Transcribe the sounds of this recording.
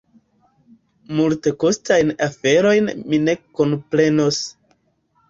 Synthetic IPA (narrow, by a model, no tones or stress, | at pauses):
multe̞ko̞stajnafe̞ɾo̞jnmine̞ko̞npɾe̞no̞s